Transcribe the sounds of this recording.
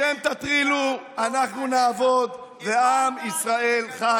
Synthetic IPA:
emt̪at̪χiluanaχnunaːvo̞d̪ | ve̞amisʁae̞lχa

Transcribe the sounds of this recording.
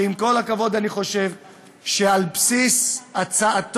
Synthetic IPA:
imko̞lakavo̞d̪aniχo̞ʃe̞v | ʃealpsisat͡saat

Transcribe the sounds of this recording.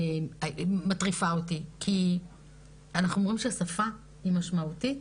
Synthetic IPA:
amatʁifaotikʰi | anaχnuomʁimʃeasafa | imaʃmautit

